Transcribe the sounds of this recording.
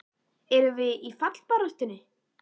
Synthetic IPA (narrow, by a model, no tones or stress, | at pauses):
ɛɾʏvɪðifat̪l̥paɾast̪ɪnːɪ